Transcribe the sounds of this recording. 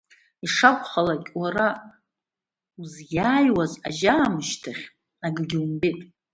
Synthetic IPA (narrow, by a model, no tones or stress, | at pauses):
iʂakʷʰʼχalakʲʼwara | uzɡaːjwaza̰ʒaːmɨʃtʰaχʲ | aɡɡʲiwmbetʼ